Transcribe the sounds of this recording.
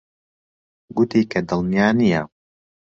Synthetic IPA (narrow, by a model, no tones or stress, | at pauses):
ɡʊt̪iːkʰɐd̪ɨlˠnijaːnijɐ